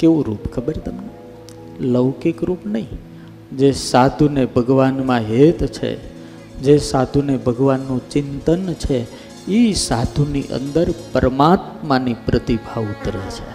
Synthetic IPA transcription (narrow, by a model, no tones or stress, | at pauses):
keʋũɾupkʰəbəɾt̪əmne | ləʋkikɾupnəɦĩ | d͡ʒesad̪ʱunebʱəɡʋanmãɦet̪t͡ʃʰḛ | d͡ʒesad̪ʱunebʱəɡʋanːũt͡ʃɪnt̪ənt͡ʃʰe | isad̪ʱuniʔə̰̃nd̪əɾpəɾəmat̪manipɾət̪ibʱaʋut̪ɾət͡ʃʰḛ